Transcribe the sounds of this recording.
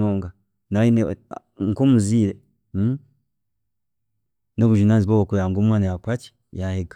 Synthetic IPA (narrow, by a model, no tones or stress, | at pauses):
oːŋɡa | naɾine | ŋ̩komuziːɾe | noβuʒinanziβoβokujaŋɡomwaːnajakwaci̥ | jaheɡa